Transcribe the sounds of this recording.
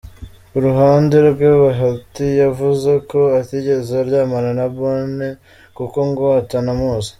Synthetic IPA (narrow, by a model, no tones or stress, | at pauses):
uɾuɦaːndeɾɡweβaɦatijavuze̞ko̞atiɟe̞zeɾɟaːmaɾanaβoːne | kuko̞ŋɡatanamuːzḁ